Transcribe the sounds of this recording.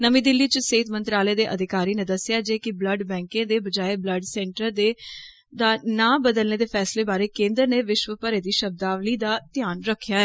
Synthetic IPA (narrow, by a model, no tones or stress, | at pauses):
nəmĩːd̪ɪlːiːt͡ʃəseːt̪ʰmənt̪ɾaːleːd̪eːʔəd̪ɪkaːɾiːnẽːd̪əsɪjaːd͡ʒeːkɪbləɖbɛ̃ːŋkẽːd̪eːbəd͡ʒaːeːbləɖsɛ̃ːɳʈəɾd̪eː | d̪aːnãːbəd̪əlneːd̪eːpʰɛːsleːbaːɾeːkẽːnd̪əɾneːʋɪʃʋəpəɾeːd̪iːʃəb̚d̪aːʋliːd̪aːt̪ɪjaːnɾəkʰːjaːɛː